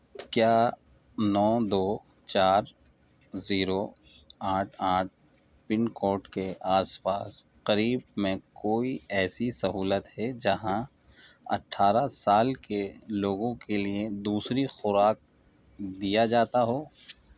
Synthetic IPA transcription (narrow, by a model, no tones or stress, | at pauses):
kjaː | nɔːd̪oː | t͡ʃaːɾ | ziːɾoaːʈʰaːʈ̚ʰ | pɪnkoːʈkeʔaːspaːsqɐɾiːbmẽkoːiɛːsisɐɦuːlət̪ɦɛd͡ʒɐɦã | ɐ̰ʈʰːaːɾasaːlkeloːɡõkelied̪uːsɾixʊɾaːk̚ | d̪ijad͡ʒaːt̪aɦoː